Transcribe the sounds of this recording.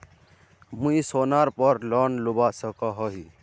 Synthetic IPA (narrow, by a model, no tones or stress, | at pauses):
mũisonaɾpɔɾlɔnlubasəkɔɦɔɦi